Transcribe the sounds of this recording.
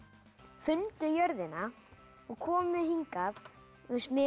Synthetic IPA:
fʏnt̪ʏjœɾðɪna | ɔɣkʰɔːmʏmɛðɦiŋkað | smɛ

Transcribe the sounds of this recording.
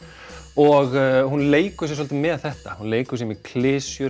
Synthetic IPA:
ɔɣhunleːjkʏsjɛsɔlt̪ɪmɛːððθɛht̪ahunleːjkʏsjɛmɛðkʰlɪːsjʏ

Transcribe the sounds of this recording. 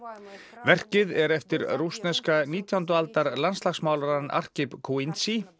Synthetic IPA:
vɛr̥cɪðɛɾɛft̪ɪɾrust̪nɛskaniːt̪ʰjawnt̪ʏalt̪aɾlanst̪laxsmaːwlaɾana̰r̥cɪpkʰuint̪si

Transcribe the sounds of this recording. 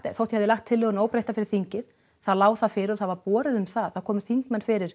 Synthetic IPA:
t̪θowht̪ihɛvðɪlaxt̪ʰːɪlːœːɣʏnoːwpɾejht̪afɪɾɪɾ̥θiɲcɪð | θaðlaːwθaðfɪːɾɪɾɔθaðvaɾpɔːɾɪðʏmsθaðθaðkʰɔːmʏ̥θiŋkmɛnfɪɾɪɾ̥

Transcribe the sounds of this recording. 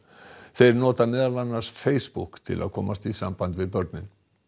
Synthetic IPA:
θejɾnɔːt̪amɛːðalvanːaɾ̥sfeːjspukt̪ʰɪ̰la̰ðkʰɔːmast̪isampant̪vɪðpœɾt̪nɪn

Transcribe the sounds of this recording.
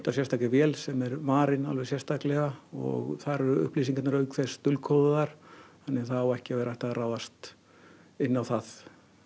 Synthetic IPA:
t̪asjɛrst̪aklɪvjɛːlsɛmɛɾmaːɾɪna̰lvɛ̥sjɛst̪aklɛɣaɔ̰ɣθaɾɛɾʏ̰hpliːsiŋkat̪naɾœɥkʰθɛst̪ʏlkʰowðʏðaɾ̥θanːɪθaawɛhcɪavɛːɾajht̪aðraːwðast̪ | ɪnːawθað

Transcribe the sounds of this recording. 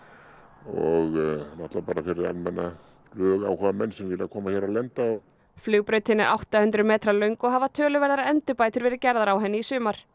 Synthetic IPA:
ɔɣnaht̪lapaːɾafɪɾɪɾa̰lmɛnːa | lœːɣaːwhaamɛnːsɛmvɛlakʰɔːmaçɛɾawlɛnt̪aɔɣ | flʏɣpɾœːɥt̪hɪnːɪɾʔa̰wht̪ahʏnt̪ɾʏmɛːt̪ɾalœɥŋkɔɣɦavat̪ʰœːlʏvɛɾðaɾaɛnt̪ʏpaːjt̪ʏɾvɛːɾɪcɛɾðaɾawɦɛnːɪisʏːmaɾ̥

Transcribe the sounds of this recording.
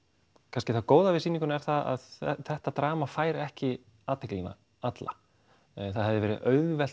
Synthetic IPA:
kʰanscɪθaðkoːwðavɪsinĩŋkʏnɛɾ̥θaða̰ðθɛht̪at̪ɾaːmafaːjɾɛhcɪ | aːt̪ʰɪklina̰ | at̪la̰ | θaðɦɛvðɪvɛːɾɪœɥðvɛl̥

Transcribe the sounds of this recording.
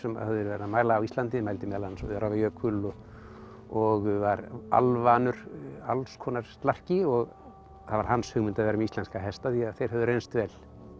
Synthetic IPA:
sɛma̰haðʏɾvɛɾamaːjlaːwist̪lant̪ɪmajlt̪ɪmɛðlansɔ̰ɪaɾavajœːkʰʏlɔ | ɔɣvaɾa̰lvanʏɾalskʰɔːnaɾ̥t̪lar̥cɪɔɣ | θavaɾ̥hanshʏɣmʏnt̪aðvɛːɾamist̪lɛnskaɦɛst̪aðiaðθejɾ̥ɦɛvðʏɾejnst̪vɛl̥

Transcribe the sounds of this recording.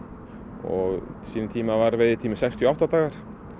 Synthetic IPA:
ɔ̰ɣsiːnnt̪ʰiːmavaɾvɪðɪt̪ʰiːmɪsɛjkst̪ʰjɔawht̪at̪aːɣaɾ̥

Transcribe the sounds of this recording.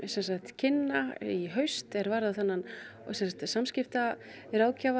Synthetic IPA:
sɛnsaht̪cʰɪnːaiɦœɥst̪ɛɾvaːɾðaθanːan | sɛnsakt̪samscɪft̪a | ɾaːwcava

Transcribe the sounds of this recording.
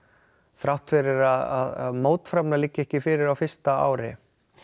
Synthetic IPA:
θɾawht̪fɪɾɪɾaða̰ðaðmoːwt̪fɾapnalɪcːɛhcɪfɪɾɪɾawfɪ̥st̪aa̰ːwɾɪ̰

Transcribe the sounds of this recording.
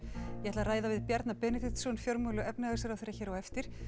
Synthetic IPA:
jɛɛt̪laraːjðavɪðpjɛɾt̪napɛnɪt̪ɪt̪sɔnfjɔɾmulʏɛpnɪasɛɾawθejɾːaçɛːɾawɛft̪ɪɾ̥

